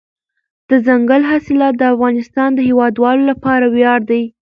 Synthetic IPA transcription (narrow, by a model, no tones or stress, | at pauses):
d̪̥əzaŋɡəlɦasɪlɑt̪̚d̪əafɣɑnɪst̪ɑnd̪əhewɑd̪wɑlolapɑɾawjɑɾd̪aj